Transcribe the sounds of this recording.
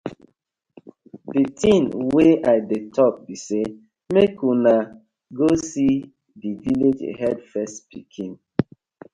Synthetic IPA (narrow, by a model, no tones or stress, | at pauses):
ditʰĩnweʔaɪdetʰɔk̚bise | mekuna | ɡosi | diviled͡ʒḛɦɛdfɛstpḭkʰĩn